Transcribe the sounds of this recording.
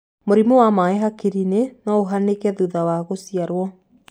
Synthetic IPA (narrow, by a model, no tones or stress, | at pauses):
moɾimowamaeɦakiɾinenaoɦanekɛðuðawaɣosiaɾwɔ